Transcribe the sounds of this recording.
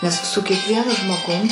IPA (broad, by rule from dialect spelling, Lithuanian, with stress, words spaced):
ˈnʲɛs sʊ kʲiɛkˈʋʲiɛnʊ ʒmoːˈɡʊm